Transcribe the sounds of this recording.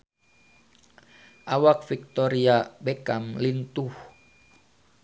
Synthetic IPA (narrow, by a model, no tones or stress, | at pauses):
ʔawak̚fik̚t̪ɔɾiabekamlint̪uh